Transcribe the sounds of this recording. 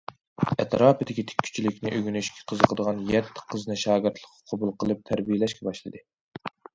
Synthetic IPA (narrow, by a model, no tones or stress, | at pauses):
ɛt̪ɾɑːpɨd̪ɪkʲit̪ʰe̥kʲʰːy̥t͡ʃʰilɪkʲnɪʔøɡʲynyʃkʲʰɛ̥qʰəzəqʰəd̪əʁɑnjɛt̪ʰːɪ̥qʰəzɨnɨʃɑːɡʲɪɾt̪ʰlˠəqːɑ̥qʰɑbulˠqʰəlˠɨp̚t̪ʰæɾbijɪlɛʃkʲʰɛbɑʃlˠɨd̪ɨ